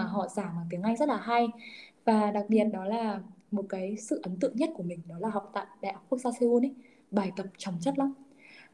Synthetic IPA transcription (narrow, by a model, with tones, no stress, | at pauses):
ɦɔ̰˧˨zaː˧˩maː˨˩t̪i˨˦əŋʔa˧jŋzə˦˥t̚laː˨˩ɦa˧jvaː˨˩ɗa˨˩k̚ɓi˨˩ət̚ɗɔ˨˦laː˨˩mo˨˩t̚kaː˨˦jsɨ̰˧˨ʔə˨˦nt̪ɨ̰˧əŋɲə˦˥t̚ku˧˩əmï˨˩ŋ̟ɗɔ˨˦laː˨˩ɦa˨˩wk͡p̚t̪a̰ː˧˨jɗa̰˧˨ʔa˦˥k͡p̚ku˦˥əkzaː˧se˧ʔu˧nə˨˦ | ɓaː˨˩jkə˨˩p̚t͡ɕɔ˨˩wŋ͡mt͡ɕə˦˥t̚la˨˦wŋ͡m